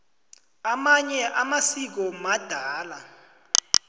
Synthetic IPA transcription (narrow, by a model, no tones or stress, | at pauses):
amaɲɛʔamasik̬ɔmad̥ʱaːla